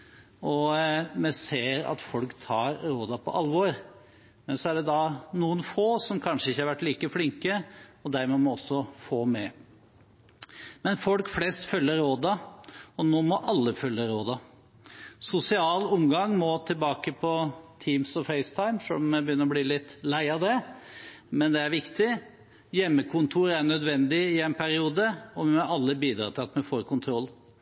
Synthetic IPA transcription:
ɔmɛseːɾɑ̰t̪fɔlkt̪ʰɑːɾɾoːd̪ɑpʰɔ̰ʔɑlʋɔɾ | mɛnsɔæɖɛd̪ɑnuːənfoːsɔmkʰɑnʂəɪçːəhɑɾʋæʈːliːkəflɪŋkəɔd̪æɾmɛmɔɔsːɔfoːmɛ | mɛnfɔlkflɛst̪fœlːəɾɾoːd̪ɑɔnoːmɔʔɑlːəfœlːəɾoːd̪ɑ | sʊsɪɑːlʊmɡɑŋːmɔt̪ʰɪlbɑːkəpʰɔt̪ʰiːmsɔfɛɪst̪ʰɑɪmʂø̰lɔmmɛbəjʏnəɾɔbliːlɪt̪ːlæɪɑd̪ɛ | mɛnd̪ɛæɾʋɪkt̪ɪ | jɛmːəkʰʊnt̪ʰuːɾæɳœd̪ʋɛnd̪ɪɪɛɪnpʰæɾɪuːd̪əɔʋɪmɔɑlːəbiːd̪ɾɑ̰ːt̪ʰɪlɑt̪mɛfoːɾkʊnt̪ʰɾɔlː

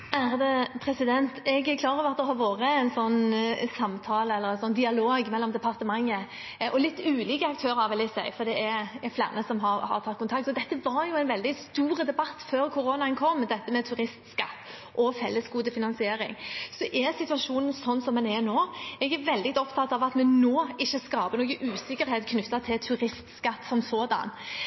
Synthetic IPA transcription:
æɾd̪ɛpʰɾɛsɪd̪ɛnt̪ɛɡæɾkʰlɑːɾɔʋɑt̪d̪ɛɦɑːɾʋoːʁəɛɪnsɔnːsɑmt̪ʰɑːləɛlːəɾɛnsɔnːd̪ɪɑloːɡmɛlːɔmd̪ɛpʰɑʁt̪əmɑŋːə | ʔɔlɪt̪ːʉːliːkəɑk̚t̪ʰøːɾəɑɾʋɪlɪsæ̰ɪfɔɾd̪ɛɛɾɛɾflæ̰ʁnəsɔmɦɑɾhɑ̰ɾt̪ʰɑt̪kʊnt̪ɑk̚t̪ɔd̪ɛt̪ːəʋɑɾjʊæɪnʋɛld̪ɪst̪uːɾəd̪ɛbɑt̪ːføːɾkʰʊɾoːnɑɛnkʰɔmːd̪ɛt̪ːəmɛt̪ʰʉɾɪst̪skɑt̪ː | ʔɔfɛlːəsɡuːd̪əfɪnɑnsɪeːɾɪ̰ŋsɔʔɛɾsɪt̪ʉɑʂuːnən̩sɔnːsɔmːɛnɛɾnoːɛɡæɾʋɛld̪ɪt̪ɔpt̪ʰɑt̪ːɑʋɑt̪mɛnoːɪçːəskɑːpənoːɡəʔʉːsɪkːəɾheːt̪kʰnʉt̪ːɑt̪ʰɪlt̪ʰʉɾɪst̪skɑt̪ːsɔmsoːd̪ɑ̰n

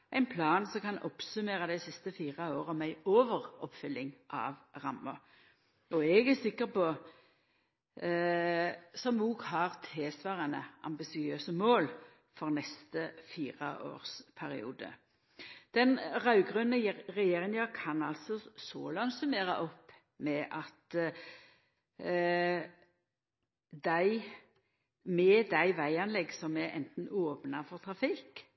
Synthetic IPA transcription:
ʔæɪnpʰlɑːnsɔmkɑnɔpsʉmeːʁɑd̪æɪsɪst̪əfiːʁəoːʁəmæɪoːʋəʁɔpfʏlːɪŋʔɑ̰ːʋʁɑmːə | ɔɛɡæsɪkːəpɔ | sɔmuːɡhɑʁt̪ʰeːsʋɑːʁənəʔɑ̰mbɪsɪøːsəmoːl | fɔʁnɛst̪əfiːʁəʔo̰ːʁspʰæɾɪ̰ṵːd̪ə̰ | d̪̥ɛnʁɑʉɡʁʉnəʁɛjeːʁɪŋɑkʰɑnɑlt̪sɔso̰ːlɑŋsʉmeːɾɑʔɔpː | mɛʔɑt̪ | d̪æɪ | mɛd̪æɪʋæɪɑnlɛɡːsɔmɛʔɛ̰nt̪n̩oːpnɑfɔʁt̪ʰʁɑfɪk

